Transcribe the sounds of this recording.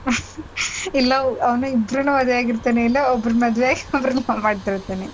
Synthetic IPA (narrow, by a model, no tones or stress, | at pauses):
ilːɐɐʋɐnuibɾɐnuʋɐd̪jaːɡiɾt̪aːneilːɐɔbɐɾɐmɐd̪ʋejaːɡiɔbɐɾɐnuamaːɖt̪iɾt̪ːaːne